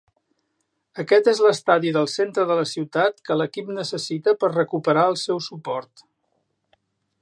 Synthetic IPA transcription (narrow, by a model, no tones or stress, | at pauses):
əkɛt̪ezləst̪aðiðəlˠsent̪ɾəðələsiwt̪at̪kələkipnəsəsit̪əpəɾrəkupəɾaəlˠsɛwsupɔɾt̪